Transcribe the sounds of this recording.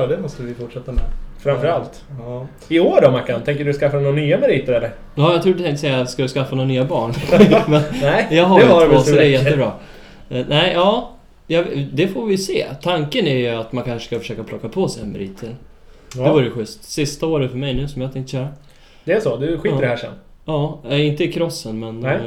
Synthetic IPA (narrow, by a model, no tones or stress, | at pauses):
ɑd̪ɛmɔst̪əvɪfʊʈʂɛt̪ːamɛ̰fɾamfœɾalt̪ | ɪoːɖɔmaɾkant̪ʰɛŋk̬əɖɵskafːanonyːamɛɾiːt̪əɾɛlːəɾ | jɑːjɑɡt̪ɾuːɖ̪t̪ʰɛŋt̪əsɛjːaskad̪ɵskafːanoːanyːabɑːɳmɛnɛjɑɡɦaɾvoːsɔd̪ɛɾjɛt̪ːəbɾɑː | nɛɪjɑː | jɑvd̪ɛfoːɾvɪjsḛːt̪ʰaŋkənæɾjɵat̪mankʰanʂə̥skafœ̥ʂøːkapʰlɔkːapʰosɛɛ̰nmɛ̰ɾḭːt̪ʰəɾ | d̪ɛvuːɾəjɧʏst̪sɪst̪aoːɾəfœɾmɛjnʉ̟ːsɔmjat̪ʰɛŋkt̪ə̥ɕœːɾa | d̪ɛːʂɔd̪ɵɧiːəɖɛhæːʂɛ̰nː | jɑːɪnt̪əɪkʰɾɔsːənmɛn